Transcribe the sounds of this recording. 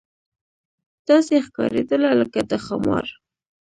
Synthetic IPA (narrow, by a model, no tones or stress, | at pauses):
t̪ɑsexkɑ̰ɾed̪əlaləkad̪əxamɑ̰ɾ